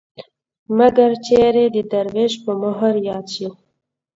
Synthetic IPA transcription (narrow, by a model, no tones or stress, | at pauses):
maɡaɾt͡ʃeɾed̪əd̪aɾweʃpəməɦəɾjɑd̪ʃi